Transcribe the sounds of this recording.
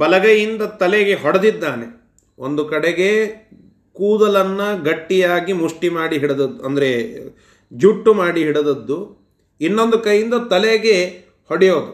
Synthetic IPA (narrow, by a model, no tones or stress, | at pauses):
bɐlɐɡɐjind̪ɐt̪ɐleɡe̞ɦɔɽɐd̪id̪ːaːne | ʔond̪ukɐɽeɡe̞ | kuːd̪ɐlɐnːɐɡɐʈːijaːɡimuʂʈimaːɽiɦiɽɐd̪ɐd̪ːuɐnd̪ɐɾe | d͡ʒuʈːumaːɽiɦiɽed̪ɐd̪ːu | inːo̞nd̪ukɐjːind̪ɐt̪ɐleɡe̞ | hoɽɛjoːd̪u